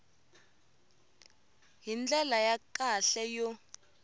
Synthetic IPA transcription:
ɦind͡ɮʱɛlajakaɬɛjɔ

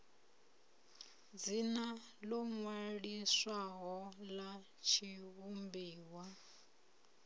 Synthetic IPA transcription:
d͡zina | lɔŋwaɺiswaɦɔla | t͡ʃʰiβumbiːwa

